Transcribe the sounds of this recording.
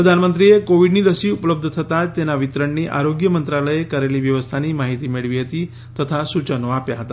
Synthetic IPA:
pɾəd̪ʱanmənt̪ɾijekoʋiɖniːɾəsiːupləb̚d̪ʱət̪ʰət̪at̪ːenaʋit̪ɾəɳniːʔa̰ɾoɡjəmənt̪ɾaləjekəɾeliːʋjəʋəst̪ʰaniːmaɦit̪iːmiɭʋiːɦət̪iː | t̪ət̪ʰasut͡ɕənoapjaɦət̪a̰

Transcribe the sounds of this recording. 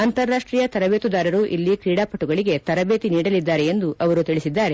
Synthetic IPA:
ɐnt̪ɐɾːaːʂʈɾiːjɐt̪ɐɾɐbeːt̪ud̪aːɾɐɾuʔilːikɾiːɽaːpɐʈːuɡɐɭiɡe̞t̪ɐɾɐbeːt̪iniːɽɐlid̪ːaːɾe̞end̪uʔɐʋɐɾut̪iɭisid̪ːaːɾe̞

